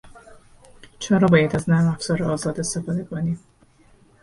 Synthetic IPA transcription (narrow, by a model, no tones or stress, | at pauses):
t͡ʃʰɒɾɒːbɒːjæd̪æznæmæfz̥ɒɾɛɒːzɒːd̪est̪efɒːd̪ekʰoni